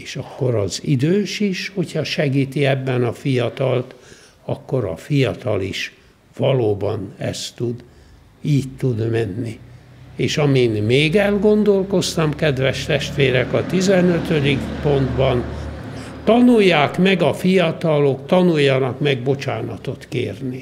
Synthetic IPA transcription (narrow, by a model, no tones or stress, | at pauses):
eːʃɒkːo̞ɾɒzid̪øːʃiʃho̞chɒʃɛɡiːt̪iɛbːɛnɒfijɒt̪ɒlt̪ | ɒkːo̞ɾɒ̰fijɒt̪ɒliʃ | ʋɒloːbɒnɛ̰st̪ud̪ | iːct̪ːud̪mɛnːieːʃɒminmeːɡɛlɡo̞nd̪o̞lko̞st̪ɒmkɛd̪ʋɛʃt̪ɛʃt̪ʋeːɾɛkɒt̪izɛnøt̪ød̪ikpo̞nd̪bɒn | t̪ɒnujːaːkmɛɡɒfijɒt̪ɒlo̞kt̪ɒnujːɒnɒkmɛɡbo̞t͡ʃaːnɒt̪o̞t̪kḛːrni